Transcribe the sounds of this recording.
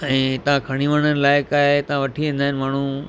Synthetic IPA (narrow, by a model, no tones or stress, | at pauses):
ɛ̃ːt̪ɐãkʰɐɽ̃iʋəɽ̃ənlaːɪkaːt̪ɐãʋɐʈʰiʋẽːnd̪aːɪnɪmaːɳ̤ũ